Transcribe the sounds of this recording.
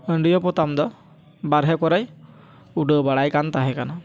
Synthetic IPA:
əɳɖijɔpɔt̪amd̪ɔ | baɾɦɛkɔɾaj | uɖəbaɽajkant̪aɦɛkana

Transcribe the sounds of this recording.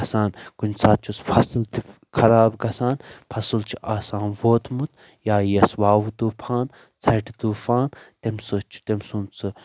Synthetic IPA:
ɐsaːnkunsʰaːt̪̚t͡ʃʰuspʰɐsɨlt̪i | kʰɐɾaːbɡɐsaːnpʰɐsɨlt͡ʃʰi̥ʔaːsaːnʋoːt̪ʰmut̪ | jaːjɐsʋaːʋt̪uːpʰaːn | t͡sʰɐʈʰit̪uːfaːnt̪emsot͡ʃʰu̥t̪emsunt͡sɨ

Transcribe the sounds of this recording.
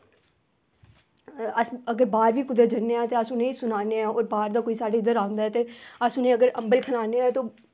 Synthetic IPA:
əsəɡəɾbaːɾʋiːkʊd̪eːd͡ʒənːeãːt̪eːəsʊnẽːiːsʊnaːneːɛ̃ːoːɾbaːɾd̪aːkoːiːsaːɖeːɪd̪əɾãːnd̪aːɦɛːt̪eːəsʊnẽːəɡəɾəmbəlkʰənaːneɛːt̪oː

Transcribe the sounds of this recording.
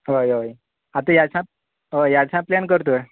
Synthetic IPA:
ɦojoj | at̪ũjat͡sã | ɦojat͡sʰãplankəɾt̪oe

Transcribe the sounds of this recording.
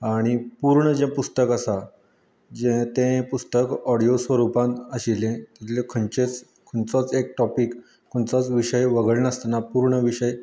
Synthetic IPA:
aɽ̃ipuɾɳəd͡ʑẽpust̪əkəsa | d͡ʑẽt̪ẽpust̪əkɔɽijosʋəɾupãnt̪əɕilẽt̪it̪ʰlekʰənt͡ɕet͡s | kʰoɳt͡sɔt͡sek̚ʈɔpik | kʰːoɳt͡sɔt͡sʋiɕəjʋəɡəɭnəst̪napuɾɳəʋiɕəj

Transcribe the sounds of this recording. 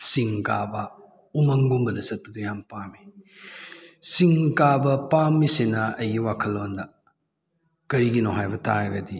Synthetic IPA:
siŋkabɐ | umɐŋɡumbɐdɐsɐt̚tudujampami | siŋkabɐpamːisinɐɐjɡiwakʰɐlːondɐ | kɐɾiɡinoɦajbɐta̰ɾɐɡɐdi

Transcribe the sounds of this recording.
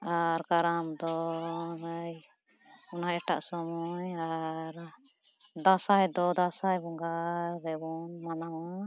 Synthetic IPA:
aɾkaɾamd̪ɔɾəj | ɔnaʔɛʈa̰ʔsɔmɔjaɾ | d̪asajd̪ɔd̪asajbɔŋɡaɾːɛbɔnmanawa

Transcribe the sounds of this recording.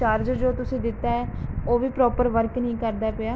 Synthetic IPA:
t͡ʃaːɾd͡ʒd͡ʒoːt̪ʊsĩːd̪ɪt̪ːaːɛːoːʋiːpɾɔːpəɾʋəɾknĩːkəɾd̪aːpeaː

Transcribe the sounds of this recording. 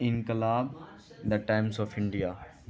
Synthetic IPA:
ɪ̃nkɪlaːb | d̪ɐʈãɪ̃msɔːfɪ̃ɳɖijaː

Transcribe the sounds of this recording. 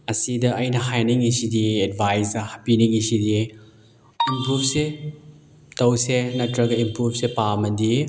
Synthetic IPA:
ɐsidɐʔɐjnɐhajniŋisidied̚bʱajsɐhɐpiniŋisidi | impɾup̚se | tɐwsenɐtɾɐɡɐimpɾup̚sepamɐdi

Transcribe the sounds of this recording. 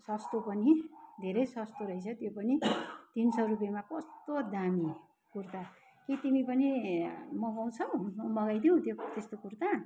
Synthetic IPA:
sʌst̪opʌnid̪ʱeɾʌjsʌst̪oɾʌit͡sʰʌt̪jopʌnit̪insʌrup̬jemapʌst̪od̪ami | kurt̪a | kit̪imipʌnimʌɡaw̃t͡sʰʌwʌmʌɡajd̪iw̃t̪jot̪est̪okurt̪a

